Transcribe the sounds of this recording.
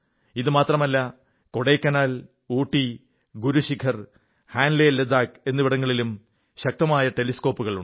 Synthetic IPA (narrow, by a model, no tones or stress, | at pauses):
iðɨmaːt̪rɐmɐlːɐ | ko̞ɽekːɐnaːl | uːʈːi | ɡuɾuɕikʰɐr | haːnleːled̪aːke̞nːɨʋiɽɐŋːɐɭilum | ɕɐk̚t̪ɐmaːjɐʈe̞lisko̞ːpːuɣɐɭuɳ